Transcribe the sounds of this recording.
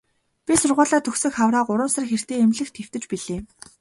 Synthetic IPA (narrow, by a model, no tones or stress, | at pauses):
pʲisʊrʁʊːɮaːt̪ʰɵxsɘ̆kχawraːɢʊɾə̆msărxer̥t̪eːemɮɘ̆xt̪ʰew̥t̪ɘ̆t͡ɕpiɮeː